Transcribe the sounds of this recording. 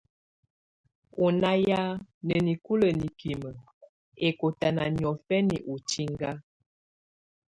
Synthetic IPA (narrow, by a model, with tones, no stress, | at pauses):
u˨na˦ja˦nə˨ni˨ku˦lə˨ni˨ki˨mə˨ | e˨ko˨ta˨na˨njɔ˨fɛ˦nḭ˨ʔu˨t͡ʃi˦ŋɡa˦